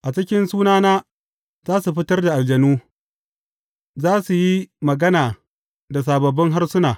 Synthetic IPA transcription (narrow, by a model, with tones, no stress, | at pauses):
ʔa˨t͡ʃɪ˦kʲɪ˦nsuː˦naː˦naː˦ | zaː˦su˨ɸɪ˦tɐ˦rda˨ʔa˨ld͡ʒɐ˨nuː˦ | zaː˦su˨ji˦mɐ˨ɡɐ˦naː˨ | da˨s̬aː˨bɐ˨bːɪ˦ŋɦa˦rsʊ˦naː˨